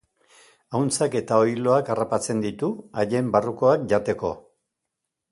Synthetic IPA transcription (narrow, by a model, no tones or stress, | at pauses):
awnt͡sake̞t̪ao̞jlo̞akarapat͡se̞nd̪it̪uaʝe̞mbaruko̞ak̚ʝat̪e̞ko̞̰